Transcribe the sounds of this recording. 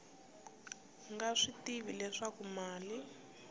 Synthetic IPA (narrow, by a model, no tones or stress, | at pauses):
ŋɡaʂitiβilɛʂakumaːli